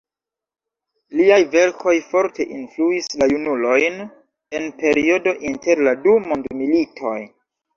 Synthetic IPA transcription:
liajve̞ɾkʰo̞jfo̞ɾtʰe̞ʔinfluislajunulo̞jn | e̞npe̞ɾio̞do̞ʔinte̞ɾladumondmilitʰo̞̰j

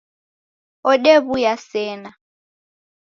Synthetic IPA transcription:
ɔɗeβujasɛːna

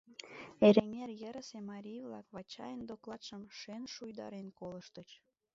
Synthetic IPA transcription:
eɾeŋerjəɾəsemɑɾʲijβlɑ̰kβɑt͡ɕɑ̰jənd̪oklˠɑt̪ʃəmʃenʃujd̪ɑ̰ɾenkoləʃt̪ət͡ɕ

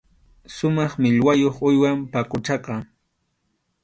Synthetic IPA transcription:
sʊmɑχmɪʎwajoχʊjwampakʊʈ͡ʂɑqɑ

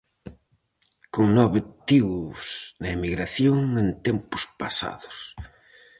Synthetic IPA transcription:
koŋnɔβet̪isnɐemiɣɾaθjoŋent̪ɛmpʊ̥spasa̰ðʊ̥s

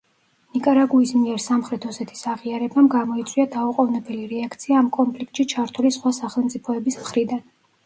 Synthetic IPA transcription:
nikʼaɾaɡuismiɛɾsamχɾɛt̪ʰɔsɛt̪ʰi̥saʁiaɾɛbamɡamɔit̪sʼwiad̪auqʼɔvnɛbɛliɾɛakʰt̪sʰiaːmkʼɔnpʰlikt̪ʃit͡ʃʰaɾt̪ʰulisχwasaχɛlˠmt̪sʼipʰɔɛbismχɾid̪an

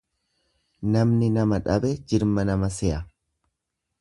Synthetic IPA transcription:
nɐmnɪnɐmɐᶑɐbɛd͡ʒɪɾmɐnɐmɐsɛʔɐ

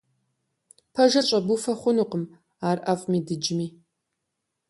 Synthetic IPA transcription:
pʰɐʒɐt͡ʃʼɐbufɐχʷʊnuːqəm | aːrʔɐfʼmiːdɨd͡ʒɪmiː

